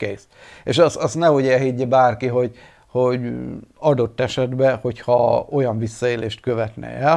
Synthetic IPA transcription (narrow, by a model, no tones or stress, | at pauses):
keːs | eːʃɒsɒst̪nɛoɟɛɦiɟːɛbaːrkiɦo̞ɟ | ho̞ɟɒd̪o̞t̪ːɛʃɛd̪bɛho̞chɒo̞jɒɱvisːɒeːleːʃt̪kø̞vɛt̪nɛ̰ɛl